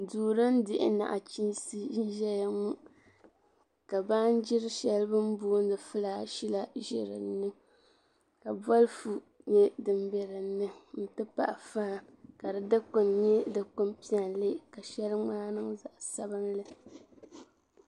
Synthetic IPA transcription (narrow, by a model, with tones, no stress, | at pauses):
duː˨ɾɨ˦n˦dɪ˦ʔɪ̰˨˦na̰˨ʔa˨t͡ʃi˦nsi˦ʒi˦nʒɛ˦ja˨ŋu˦ | ka˨ba˦nd͡ʒɪ˦ɾɨ˦ʃɛ˦lɨ˦bɨ˦m˦buː˦n˦dɨ˨fɨ˦laː˦ʃi˦la˦ʒɪ̰˨ɾɨ̰ː˨˦ɨ˦ | ka˨bwɔ˦lfu˨ | ɲɛ˦dɨ˨mbɛ˨ɾɨ˨nːɨ˦n̩˨tɨ˦pa̰˦ʔa˨fa˦˨ | ka˨dɨ˨dɨ˦kʊ˨nɲɛ˦dɨ˨kʊ˦m˦pi˦a˨nle˦ka˨ʃɛ˦lɨ˦ŋ͡maː˦nɨ˦ŋza˨ʔsa˦bɨ˦nlɨ˦